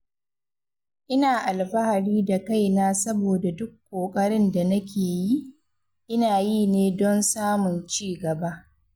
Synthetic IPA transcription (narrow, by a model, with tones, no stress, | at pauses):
ʔɪ˦naː˨ʔa˨lɸɐ˦ha˨ɽiː˦da˨ka˦jnaː˦sɐ˦boː˨da˨dʊ˦kʷːoː˨kʼɐ˦ɽɪ˦nda˨nɐ˦kʲeː˨ji˦ʔ | ʔɪ˦naː˨jiː˦neː˦dɔ˦nsaː˦mʊ˨nt͡ʃiː˦˨ɡɐ˨ba˦ʔ